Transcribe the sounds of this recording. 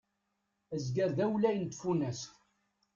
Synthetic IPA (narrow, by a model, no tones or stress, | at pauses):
əzɡæɾðæwlæjənt̪ːfunæs